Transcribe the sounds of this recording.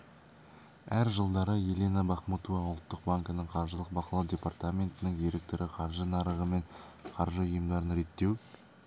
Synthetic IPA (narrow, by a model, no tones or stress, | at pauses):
æɾʒəlˠd̪ɑɾəje̞lenabɑχmot̪ovɑʊlˠt̪ːəq̚baŋkənəɴqʰɑɾʒəlˠəq̚bɑqɑlˠɑwdʲe̞part̪amʲe̞nt̪ɪnɪŋjeɾek̚t̪ɪɾɪqʰɑɾʒənɑɾəʁəme̞ɴqʰɑɾʒəʊjəmd̪ɑɾənɾe̞t̪ːe̞w